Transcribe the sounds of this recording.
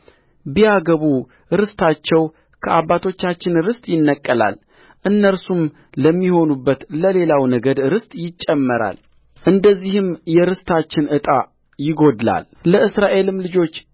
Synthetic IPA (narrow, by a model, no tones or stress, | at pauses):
bijaɡəβu | ɾɨst̪ʰat͡ʃːɛw | kʰəʔabːat̪ʰo̞t͡ʃːat͡ʃːɪnɾɨst̪ʼjɪnːəkʼːəla̰l | ʔɨnːəɾsum | ləmːiho̞nubːət̪ləle̞lawnəɡəd̪ɾɨst̪ʼjɪt͡ʃʼːɛmːəɾa̰l | ʔɨnd̪əzːihɨmjɛɾɨst̪ʰat͡ʃːɪnʔɨt̪ʼa | jɪɡo̞d̪la̰l | ləɨsɾaʔe̞lɨmlɨd͡ʒo̞t͡ʃː